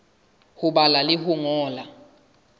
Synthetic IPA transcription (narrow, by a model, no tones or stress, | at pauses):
huɓalalihuŋɔːla